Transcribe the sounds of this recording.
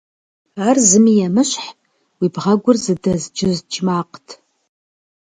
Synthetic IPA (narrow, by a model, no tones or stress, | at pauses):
aːrzɨmijɛmɨɕħpʼ | wibʁɐɡʷʊrzɨdɐzd͡ʒɪzt͡ʃʰmaːqtʰ